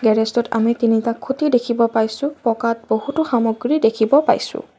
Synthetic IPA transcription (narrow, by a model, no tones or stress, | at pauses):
ɡɛɹɛstɔta̰mitinitakʰːutidekʰibɔpajsʊ̃pɔkat̚bohutʊxamɔɡɹidekʰibɔpa̰jsʊ̰̃